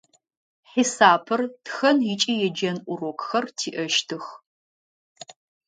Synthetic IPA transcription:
ħisaːpʰɨrtʰxɐnjɪt͡ʃʼijɛd͡ʒɐnʔʷʊrokʼxɐrtʰiːʔɐʃtʰɨx

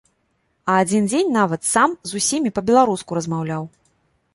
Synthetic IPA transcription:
ɐad͡zʲind͡zʲenʲnavɐt̪samzusʲimʲipɐbʲɛlˠaɾuskuɾɐzmawlʲaw

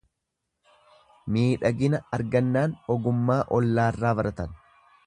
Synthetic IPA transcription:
miːᶑɐɡɪnɐɐɾɡɐnːaːnɔɡʊmːaːʔɔlːaːrːaːbɐɾɐt̪ɐn

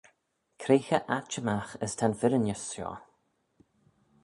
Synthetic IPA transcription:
kʰɾeːxəʔat͡ʃəmaxəstʰanfɪɾənəsʃɔ̰ː

